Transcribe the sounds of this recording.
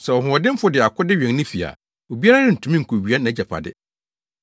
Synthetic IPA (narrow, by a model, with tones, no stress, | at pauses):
sɛ˨wɔ˨ɦʊ̃˨ɔ˨dɪ̃˦m̩˦fʊ˨˦dɪ˨a˨kʰʊ˦dɪ˦ɥᶣɛ̃˨ŋnɪ̃˦fi˨a̰˨ | wo˨bi˦a˦a˦nɪ̃˦n̩˨tʰũ˨mĩ˦ŋ̩˨kʰo˨ɥi˨˦a˦nã˨˦d͡ʑa˨pʰa̰˨dɪ̰˦